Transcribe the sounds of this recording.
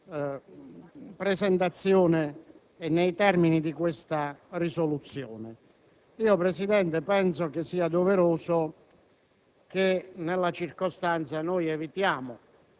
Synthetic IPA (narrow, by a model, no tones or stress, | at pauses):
pɾɛsɛnt̪at̪sːjɔːnɪ | ɛnːɛjt̪ɛrminid̪ikwest̪arisolut̪sːjɔːnɪ | iːopɾɛsid̪ɛnt̪ɪpɛnsokɪsːiːad̪oveɾoːsʊ | k̟enelːat͡ʃirkost̪ant̪sanɔjɛvit̪jaːmʊ